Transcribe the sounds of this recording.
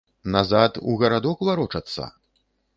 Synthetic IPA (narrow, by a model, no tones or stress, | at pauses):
nazat̪ṵɣɐɾad̪ɔkvaɾɔt͡ʂɐt̪sːɐ̰